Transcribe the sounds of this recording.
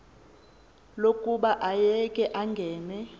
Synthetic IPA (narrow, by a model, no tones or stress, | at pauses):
lokʼuɓaʔajɛkʼɛʔaŋɡʱɛːnɛ